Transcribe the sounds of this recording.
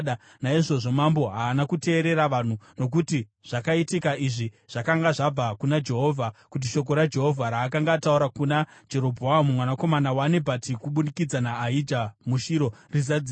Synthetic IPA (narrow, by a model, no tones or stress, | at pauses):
ɗa | naiʐo̞ʐo̞mambo̞ɦaːnakute̞ːɾe̞ɾaʋan̤uno̞k̬uti | ʐ̥akaitikaiʐi | ʐ̥akaŋɡaʐab͡vakunad͡ʒe̞ɦo̞vʱakut̬iʃo̞k̬o̞ɾad͡ʒe̞ɦo̞vʱaɾaːkaŋɡatauɾakunad͡ʒe̞ɾo̞bʱoamumwanako̞manawanebʱatikuɓunikid͡zanaːɦid͡ʒamuʃiɾo̞rizad͡zi